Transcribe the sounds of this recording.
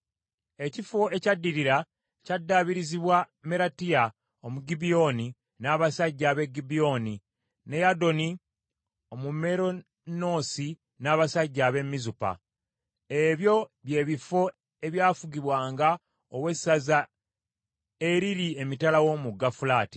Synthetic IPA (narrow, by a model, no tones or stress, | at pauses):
e̞cifo̞e̞cadːiɾiɾa | cadːaβiɾiziβwa | me̞ɾatija | omuɡibio̞ni | naːβasaɟːaːβe̞ɡibio̞ni | ne̞jado̞ni | o̞mume̞ɾo̞ | no̞si | naːβasaɟːaːβe̞mːizupa̰ | eβjo̞βje̞ːβifo̞ | e̞βjaːfuɡiβwaːŋɡa | owe̞sːaza | e̞ɾiɾie̞mitalawo̞muɡːafulaːti̥